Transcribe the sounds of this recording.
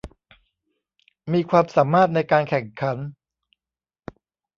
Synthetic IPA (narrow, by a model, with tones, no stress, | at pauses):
miː˧kʰwaː˧msaː˩˦mːaː˥˩t̪̚na˧jkaː˧nkʰɛ˨˩ŋkʰa˩˦n